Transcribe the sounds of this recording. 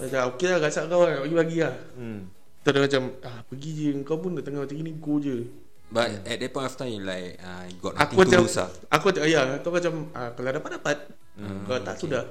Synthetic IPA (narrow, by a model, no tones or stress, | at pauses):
ad͡ʒaokelaɡasaʔəŋkawaapaɡilaɡiah | t̪ɔdamat͡ʃamapəɡid͡ʒəəŋkawpunaʔt̪əŋamat͡ʃaɡinikod͡ʒə | baɛdɛpɔnaft̪alajka | ɡɔ̰ʔna̰k̪umat͡ʃamusa̰ | ʔakumat͡ʃajat̪ɔmat͡ʃaməkaladapat̚dapat̪̚ | əkalat̪a̰ʔsudah